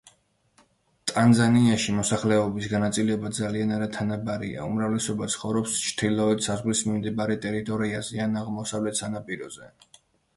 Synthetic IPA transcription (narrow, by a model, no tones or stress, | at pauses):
t̪ʼanzaniaʃimɔsaχlɛɔbisɡanat̪sʼilɛbad̪zalianaɾat̪ʰanabaɾḭa̰ṵmɾavlɛsɔbat̪sʰχɔvɾɔpst͡ʃʰt̪ʰilɔɛd̪sazʁlismimd̪ibaɾɛt̪ʼɛɾit̪ʼɔɾiazianaʁmɔsavlɛt̪ʰsanapʼiɾɔz̥ɛ